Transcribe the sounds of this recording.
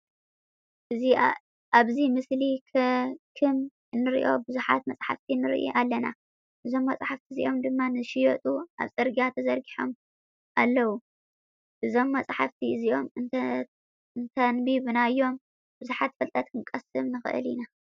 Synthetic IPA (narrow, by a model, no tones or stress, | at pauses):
ʔɨzi | ʔaβzimɨslikʰkʰɨm | ɨnːɨɾḭʔo̞̰bɨzuħat̪mɐt͡sʼħa̰ft̪ʰinɨɾḭʔḭʔalːɐna̰ | ʔɨzo̞mːɐt͡sʼħaft̪ʰiziʔo̞md̪ɨmːanɨʃɪjot̪ʼuʔa̰βsʼɨɾɡiat̪ʰɐzɐɾɡiħo̞̰m | ʔalːɐwu | ʔɨzo̞mːɐt͡sʼħaft̪ʰiɨziʔom | nt̪ʰɐnbiβɨnaɨjːo̞m | b̥ɨzuħat̪fɐlt̪ʼɐt̪kʰɨnkʼɐsɨmnɨxɨ̰ʔɨ̰lina